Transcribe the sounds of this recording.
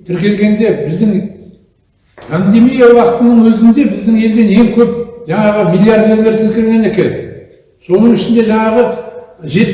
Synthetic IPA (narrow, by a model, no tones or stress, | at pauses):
t̪ʰɪɾkʲe̞lɡʲe̞nd̪e̞bɪzd̪ɪŋ | pʰand̪e̞mijawɑqət̪ənəɴwɵzɪnd̪e̞bɪzd̪ɪŋe̞ld̪e̞ne̞ŋkʲʰɵp̚ʒɑɴɑʁəmilʲˠːijaɾd̪e̞ɾle̞ɾt̪ʰɪlkʲɪɾɡʲene̞kʲe̞n | so̞nəɴɪʃɪnd̪e̞ʒɑɴɑʁəʒe̞